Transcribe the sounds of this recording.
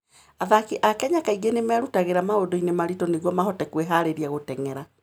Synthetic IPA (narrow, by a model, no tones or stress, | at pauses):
aðakeʔakɛɲakaiɣenemɛaɾutaɣeɾamaodoinemaɾitɔneɣwɔmaɦɔtɛkweɦaɾeɾiaɣotɛŋɛɾa